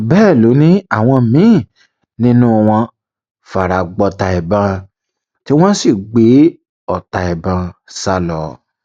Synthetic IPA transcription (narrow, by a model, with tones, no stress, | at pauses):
bɛ˦˨lo˨˦nĩ˦a˦˨w̃ɔ̃˧mĩ˨˦˨ | nĩ˦nũ˦˧w̃ɔ̃˧ | fa˨ɾa˨ɡ͡bɔ˧ta˧ɛ˨bã˧ | ti˦w̃ɔ̃˦si˦˨ɡ͡be˨˦ | ɔ˨ta˨ɛ˨bã˧sa˦lɔ˨